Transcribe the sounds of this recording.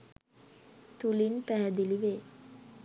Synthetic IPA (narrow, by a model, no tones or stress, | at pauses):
t̪ulinpæɦæd̪iliʋeː